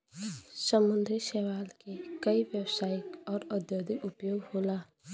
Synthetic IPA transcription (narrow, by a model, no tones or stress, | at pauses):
səmʊ̃nd̪ʱɾiʃeːʋaːlkekəiʋjəwsaːjkɔːɾəd̪joːd̪iʔʊpjoːɡhoːlaː